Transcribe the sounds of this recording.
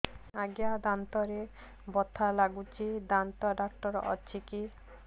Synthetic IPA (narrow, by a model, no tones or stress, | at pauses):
aɡjad̪ant̪ɔɾe | bɔt̪ʰalaɡut͡ʃʰid̪ant̪ɔɖak̚ʈɔɾɔ̰t͡ʃʰiki